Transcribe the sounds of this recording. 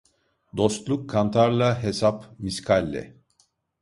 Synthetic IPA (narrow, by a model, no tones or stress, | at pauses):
d̪o̞st̪lˠukʰːant̪ʰaɾlˠaɦesapmiskʰalʲːɛ̰